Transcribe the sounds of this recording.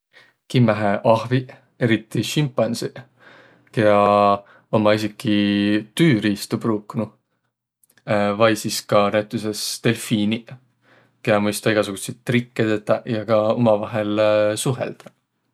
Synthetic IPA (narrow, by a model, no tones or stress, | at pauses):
kimːæɦeʔɑhvi | e̞ɾit̪ːˑiʃimpːˑɑnsi | keɑ | omːɑisikːˑit̪yːɾiːst̪ubruːknu | vɑjsiskɑnæjt̪ˑːusest̪e̞lfiːni | ke̞ɑmɯjst̪ɑiɡɑsuɡ̥usejt̪ːrikˑːed̪et̪ːɑjɑkɑomɑvɑɦe̞lsuɦe̞̰ld̪̥ɑ̥